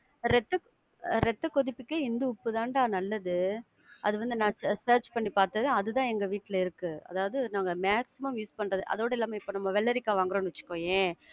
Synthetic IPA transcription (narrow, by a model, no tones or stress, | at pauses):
ɾɛt̪ːɐ | ɾɛt̪ːɐkɔðɪpːɪkːeɪnd̪ɯʊpːɯt̪ãːnɖaːnɐlːɐðɯ | ʔɐðɯʋɐnd̪ɯnãːsɐːɾt͡ʃpɐɳːipaːɾt̪ɐðɯɐðɯt̪ãːɛŋɡɐʋiːʈːɪlɐɪɾɯkːɯɐ̰ðaːʋɐðɯnaːŋɡɐmaːksɪmɐmjuːspɐɳːɾɐðɯʔɐ̰ðoːɽɐɪlːaːmɐɪpːoːnɐmːɐʋɛɭːɐɾɪkːaːʋaːŋɡɯɾõːnʋɐt͡ʃːɯ̥kːõːjẽː